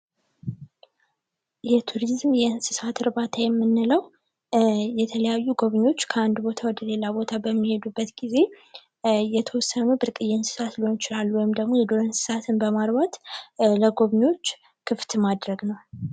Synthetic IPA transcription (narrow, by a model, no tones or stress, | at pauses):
jɛt̪ʰuɾizmjɛɨnsɨsat̪ɨɾbat̪ʰajɛmːɨnːɨləw | jɛt̪ʰələjajːuɡo̞βɲo̞t͡ʃːkʰəand̪bo̞t̪ʰawɔd̪əle̞labo̞t̪ʰabəmːihe̞d̪ubːət̪ɡize̞ | jɛt̪ʰəwɔsːənubɨɾkʼɨjːɛnsɨ̥sat̪liho̞nɪt͡ʃɪlalːuwɔjɪmd̪əɡmojɛd̪oɾənsɨ̥sat̪ʰɨnbəmaɾbat̪ləɡo̞βɲo̞t͡ʃː | kʰɨft̪mad̪ɾəɡnəw